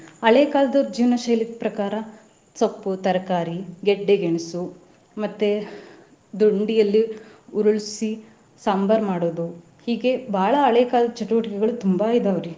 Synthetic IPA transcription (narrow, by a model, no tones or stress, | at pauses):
ɐɭeːkaːlɐd̪ɐd͡ʒiːʋɐnɐʃɐjlik̪̚pɾɐkaːɾɐ | sɐpːut̪ɐɾɐkaːɾiɡeɖːeɡeɳisu | mɐt̪ːe | d̪oɳɖijɐlːiuɾuɭsi | saːmbɐɾmaːɽoːd̪u | hiːɡe̞bʱaːɭɐːɭeːkaːlɐd̪ɐt͡ʃɐʈuʋɐʈikɛɡɐɭut̪umbaid̪ɐʋɐɾi